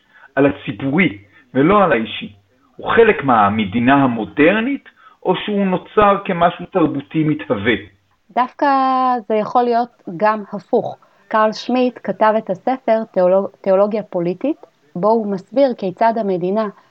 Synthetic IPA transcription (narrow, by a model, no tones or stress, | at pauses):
ʔalat͡sibuʁi | velo̞alaiʃi | huχe̞lekmeamedinaɦamo̞de̞ʁnit | ʔo̞ʃeuno̞t͡saʁke̞maʃutaʁbutimithave | dafkaze̞jaχo̞lijo̞tɡamhafuχ | kalʃmitkatave̞thase̞fe̞ʁteolo̞ɡjapo̞litit | bo̞umasbiʁkejt͡sadhame̞dina